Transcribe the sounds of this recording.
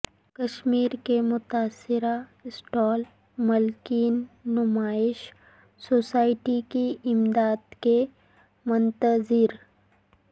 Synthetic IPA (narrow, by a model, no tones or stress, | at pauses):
kɐʃmiːɾkemʊt̪aːsɪɾaɪsʈɔːl | mɐlkiːnːʊmaːɪʃ | soːsaːɪʈikiʔɪmd̪aːd̪ke | mʊnt̪əzɪɾ